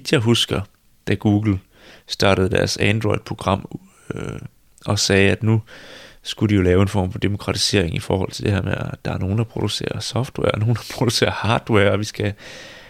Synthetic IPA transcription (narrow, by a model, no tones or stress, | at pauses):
d̥jɑ̈ɪɦusɡ̥ɐ | d̥æɡ̥uːɡ̥l̩ | sd̥ɑ̈ːɾ̥əð̩ˠd̥æɐsænd̥ʁɔ̽ɪd̥ˠpʰʁo̝ɡ̥ʁɑ̈m̰ | ɒ̽sɛːæd̥nusɡ̥ud̥ɾijo̝lɛːʊe̝nfɒ̰ːmfɒ̽d̥e̝mo̝̥kʰʁɑ̈t͡sʰi̥se̝ɐ̰e̝ŋifɒːhɒ̽l̰t͡sʰe̝ld̥e̝heɐmeæd̥ɑ̈æɐno̝ːn̩dɑ̈pʰʁo̝d̥use̝̰ːɐsɒ̽fd̥wɛ̰ɐɒno̝ːn̩d̥ɑ̈pʰʁo̝d̥use̝̰ːɐhɑ̈ːd̥wɛɐɒ̽ʋisɡ̥æ